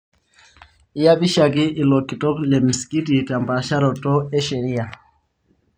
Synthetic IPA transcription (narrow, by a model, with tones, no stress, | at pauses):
i˦ja˦bi˦ʃa˨ki˦ʔi˨lɔ˨ki˨tɔ˦klɛ˨m̩˨ski˦ti˨ta˨mba˨ʃa˦ɾɔ˨tɔ˦ɛ˦ʃɛ˨ɾi˦a˨